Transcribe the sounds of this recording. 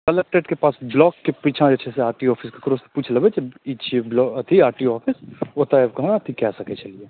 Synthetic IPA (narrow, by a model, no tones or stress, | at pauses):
kɐlek̚ʈeɖkepaːsblɔːkːepiːt͡ʃʰãɐt͡ʃʰeseaːɾʈiɔːfʰɪskekɾoːspuːt͡ʃʰlɐbet͡ʃit͡ʃʰblɔːt̪ʰiaːɾʈiɔːfʰɪsoːt̪aekɐɦat̪ʰikɛːsɐket͡ʃɐlieː